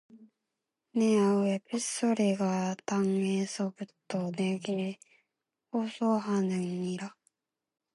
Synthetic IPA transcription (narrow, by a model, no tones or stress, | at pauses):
neaoepisoɾeɡat̪ãŋesobɯ̟t̪ːoneɡʲiɾe | hoːsoːhanɯɲːiɾa